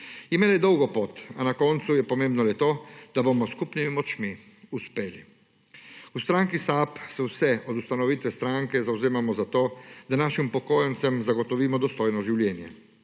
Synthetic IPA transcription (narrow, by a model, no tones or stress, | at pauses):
imeːlajɛd̪ɔwɡɔpoːt̪anakɔːnt̪sujɛpɔmeːmbnɔlɛt̪oːd̪̥abomɔskupnimimɔt͡ʃmi | uspeːlḭ | ust̪ɾaːŋkisapsɛwsɛʔɔd̪ust̪anɔʋiːt̪ʋɛst̪ɾaŋkɛzawzeːmamɔzat̪oːd̪anaːʃimpɔkoːjant̪sɛmzaɡɔt̪ɔʋiːmɔd̪ɔst̪oːjnɔʒiwljɛːnjɛ